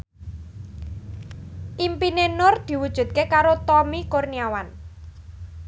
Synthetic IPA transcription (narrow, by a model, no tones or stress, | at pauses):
ʔimpinenʊrd̪̥i̤wud̥ʒ̥ṳt̪̚kekaɾot̪ɔmikorniawan